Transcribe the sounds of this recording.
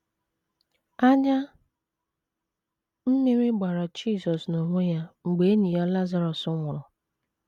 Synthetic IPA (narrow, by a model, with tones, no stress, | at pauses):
a˦ɲa˦ | m̩˦mi˦ɾi˦ɡ͡ba˨ɾa˨d͡ʒiː˦˨sɔ˨sno˨ŋʷe˦ja˦ŋ͡m̩˨ɡ͡be˨e˦ɲi˨ɔ˦la˦za˦ɾɔ˨sʊ˦ŋʷʊ˨ɾʊ˨